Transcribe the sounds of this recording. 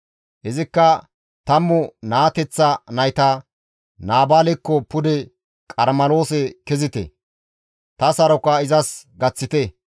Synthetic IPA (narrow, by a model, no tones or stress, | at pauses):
ʔɛzɪkːɐ | t̪ɐmːʊnaːt̪ɛt͡sːɐnɐjt̪ɐ | naːbaːlɛkːɔpʊd̪ɛ | kʼɐɾmɐlo̞ːsɛkɛzɪt̪ɛ̰ | t̪ɐsɐɾɔkːɐɪzɐsɡɐt͡sːɪt̪ɛ